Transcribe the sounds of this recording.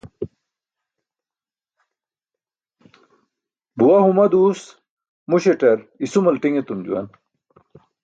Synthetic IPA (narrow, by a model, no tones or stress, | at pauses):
buwɐhumɐd̪uːs | muɕeʈɐɾisumɐlʈiŋet̪umd͡ʑṵwɐ̰n